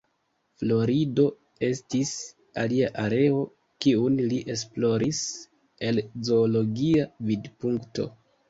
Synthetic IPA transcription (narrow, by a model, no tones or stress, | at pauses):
flo̞ɾido̞ | e̞stis | aliaʔaɾe̞o̞ | kiunliʔe̞s̬plo̞ɾʔis | e̞lzo̞ːlo̞ɡiavidpuŋkto̞̰